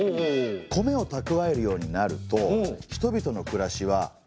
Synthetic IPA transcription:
okʰo̞me̞o̞t̪akɯ̟βae̞ɾɯ̟jo̞ːɲ̟inaɾɯ̟t̪o̞çi̥t̪o̞bʲit̪o̞no̞kɯ̟ɾaɕiβa

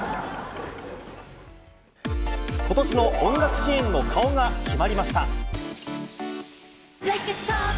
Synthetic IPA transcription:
ko̞t̪o̞ɕino̞ʔõŋɡakɯ̟̥ɕiẽnːo̞kʰao̞ŋakʲʰimaɾʲimaɕi̥t̪a

